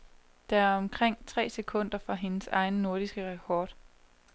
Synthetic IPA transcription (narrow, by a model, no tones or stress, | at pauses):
d̥ɑ̈ɐæɐɒ̽mkʰʁeŋ̰t͡sʰʁɛ̰ːsekʰɔ̽n̰d̥ɐfɒɦe̝nəsɑ̈ɪnəno̝ɐɾ̥isɡ̥əʁɛkʰɒːd̥